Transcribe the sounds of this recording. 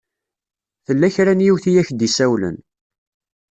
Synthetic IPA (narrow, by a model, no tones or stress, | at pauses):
θəlːæçɾænjiwθijæçd̪isæwlə̰n